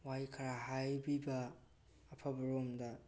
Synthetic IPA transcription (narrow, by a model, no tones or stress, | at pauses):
wajkʰɐɾaɦajbibɐː | pʰabɐɾomdɐ